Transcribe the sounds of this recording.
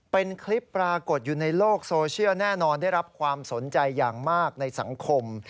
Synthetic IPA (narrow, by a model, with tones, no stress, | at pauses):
pe˧nkʰli˦˥pːɾaː˧ko˨˩t̪̚juː˨˩na˧jloː˥˩k̚soː˧t͡ɕʰi˥˩wnɛː˥˩nɔː˧nda˥˩jɾa˦˥p̚kʰwaː˧mso˩˦nt͡ɕa˧jːaː˨˩ŋmaː˥˩k̚na˧jsa̰˩˦ŋkʰo˧m